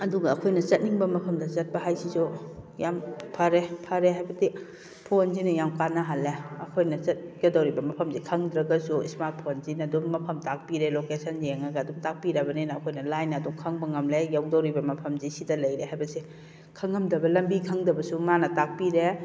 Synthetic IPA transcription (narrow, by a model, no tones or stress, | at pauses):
ɐduɡɐːkʰojnɐt͡ʃɐt̚niŋbɐmɐpʰɐmdɐt͡ʃɐt̚pɐɦajsizujampʰɐɾepʰɐɾeɦajbɐdi | pʰonzinɐjawkanːɐɦalːeɐkʰojnɐt͡ʃɐt̚ɡedɐwɾibɐmɐpʰɐmzikʰɐŋdɾɐɡɐsuismaɾt̚pʰonzinɐduŋmɐpʰɐmtak̚piɾelokesɐnzieŋɐɡaɐduŋtak̚piɾɐbɐnenɐːkʰojnɐlajnɐduŋkʰɐŋbɐŋɐmlejawdɐwɾibɐmɐpʰɐmzisidɐlɐjɾehajbɐse | kʰɐŋːɐmdɐbɐlɐmbikʰɐŋdɐbɐsumanɐtak̚piɾe